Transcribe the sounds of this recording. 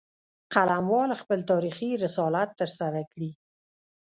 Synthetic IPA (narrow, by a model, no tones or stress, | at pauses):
qalamwɑlxpəlt̪ɑɾixiɾɪsɑlat̪ːəɾsaɾakɽi